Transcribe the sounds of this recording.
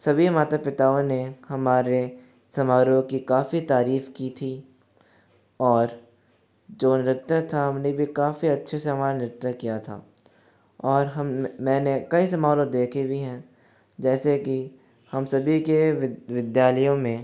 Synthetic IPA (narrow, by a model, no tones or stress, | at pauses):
sɐbʱimaːt̪apɪt̪aːõnehɐmaːɾe | sɐmaːɾõkikaːfit̪aːɾiːfkit̪ʰiː | ɔːɾ | d͡ʒoːnɪɾɪt̪ːət̪ʰaɦɐmnebʱikaːfiɐtːʃʰeseɦɐmaːɾanɪɾɪt̪əkijat̪ʰa̰ː | ɔːɾɦɐmmɛ̃ːnekɐisɐmaːlõd̪eːkʰibʱiɦɛ̃ː | d͡ʒɛːseki | hɐmsɐbʱikeʋɪd̪jaːləjõmẽ